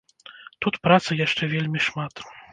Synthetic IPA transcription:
t̪ut̪pɾat̪sɨjaʂt͡ʂɛvʲelʲmʲiʂmat̪

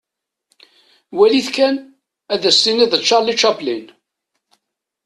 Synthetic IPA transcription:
wæliθkæn | æðæsːiniðət͡ʃːɑɾlit͡ʃːæplin

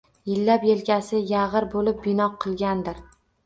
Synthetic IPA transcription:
jɪlːapjelkʲasɪjaʁɨɾbolɪp̚bɪnɒqʰɨlˠɡʲand̪ɪɾ

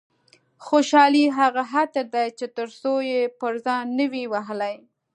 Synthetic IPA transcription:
xoʃɑliɦaɣaɦat̪əɾd̪ajt͡ʃet̪əɾsojepəɾzɑjnəwiwaɦəlaj

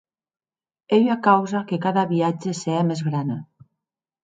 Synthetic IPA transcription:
eʎakawzakekaðaβiad͡ʒeseamezɣɾana

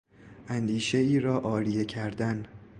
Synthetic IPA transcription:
ʔænd̪iːʃe̞iːɾɒːʔɒːɾije̞cʰæɾd̪æn

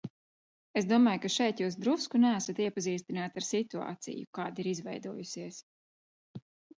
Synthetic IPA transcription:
esd̪uɔmaːjkaʃɛjt̪juːs̬d̪ɾuskunæːsat̪iɛpaziːst̪inaːt̪aɾsit̪ua̰ːt̪sḭjṵkaːd̪iɾizvɛ̰jd̪uɔjusiɛs

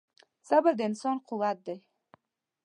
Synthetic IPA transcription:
sabəɾd̪əɪnsɑnqʊwat̪̚d̪aj

